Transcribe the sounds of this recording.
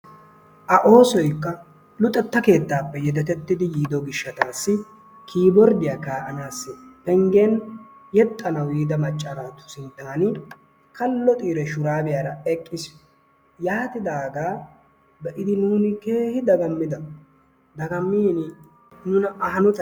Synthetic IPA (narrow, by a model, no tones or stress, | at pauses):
ʔɐʔo̞ːsɔjkːɐ | lʊt̪ʼːɛt̪ːɐke̞ːt̪ːaːpːɛjɛd̪ɛt̪ɛt̪ːɪd̪ɪjiːd̪ɔɡɪʃːɐt̪aːsːɪ | kʰiːbɔɾd̪ɪjaːkaːʔɐnaːsːɪpɛŋɡen | jɛt̪ʼːɐnɐwiːd̪ɐmɐt͡ʃʼːɐɾaːt̪ʊ̥sɪnt̪ːaːnɪ | kɐlːɔt̪ʼiːɾɛʃʊɾaːbɪjaːɾɐɛkʼːɪs | jaːt̪ɪd̪aːɡaː | bɛʔɪd̪ɪnuːnɪke̞ːhɪd̪ɐɡɐmːɪd̪ɐ | d̪ɐɡɐmːiːnɪ | nʊnɐʔɐhɐnɔt̪ɐ